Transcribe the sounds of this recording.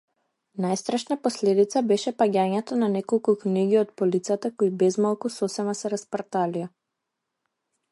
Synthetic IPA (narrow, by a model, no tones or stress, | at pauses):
najst̪ɾaʃnapɔslɛd̪it̪sabɛʃɛpaɟʲaɲɛt̪ɔnanɛkɔlˠkukniɡiɔt̪̚pɔlit̪sat̪akoibɛzmalˠkusɔsɛmasɛɾaspaɾt̪alia